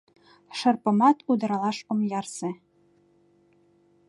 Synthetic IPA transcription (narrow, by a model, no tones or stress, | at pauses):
ʃɤ̆rpɤ̆mɑt̪ud̪ɤ̆ɾɑlˠɑʃŏmjɑrsĕ